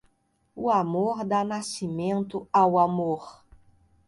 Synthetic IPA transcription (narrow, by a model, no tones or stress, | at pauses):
uamoɾd̪anasimẽnt̪ʊawamoɾ